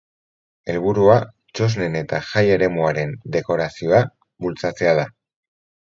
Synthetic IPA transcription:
e̞lβuɾua | t͡ʃo̞zne̞ne̞t̪aʝaje̞ɾe̞muaɾe̞nd̪e̞ko̞ɾasio̞a | βult͡sat͡se̞að̞a

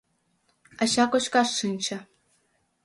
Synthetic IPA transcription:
ɑ̆ɕɑkoɕkɑʂːɯnʲt͡ɕɘ̆

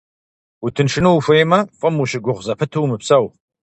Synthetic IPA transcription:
utʰɨnʂʰɨnufʷɐjmɐfʼɨmuɕɪɡʷʊʁʷzɐpʰɨtʰɨwmɨpsɐw

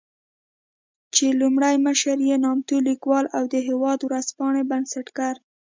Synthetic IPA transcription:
t͡ʃelumɽajməʃaɾjenɑmt̪ulikwɑlawd̪əɦewɑd̪wɾaspɑɳebansaʈkaɾ

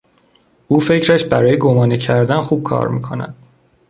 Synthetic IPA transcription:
ʔuːfe̞cʰɾæʃbæɾɒːjeɡomɒːnicʰæɾd̪ænxuːb̥̚kʰɒ̰ːɾmḭːkʰo̞̰næ̰d̪̥

